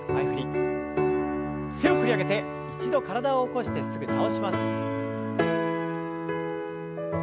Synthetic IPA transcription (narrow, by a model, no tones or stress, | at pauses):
aiɸɯ̟ɾʲi | seo̞kɯ̟ɾʲiaɡe̞t̪e̞ | it͡ɕid̪o̞kaɾad̪aoːko̞ɕi̥t̪e̞sɨɡɯ̟t̪ao̞ɕimasɨ̥ɨ̥